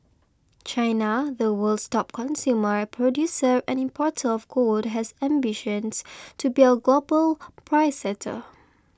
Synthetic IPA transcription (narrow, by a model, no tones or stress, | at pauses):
t͡ʃãɪnaðəwəldstɔp̚kʰɔ̃nsjuməɹəpʰɹɔdjusəɹʔɛ̃nĩmpʰɔtʰəɔfkʰodɦɛsɛ̃mbiʃə̃nstʰubiəɡlobəlpʰɹaɪsɛtʰə̰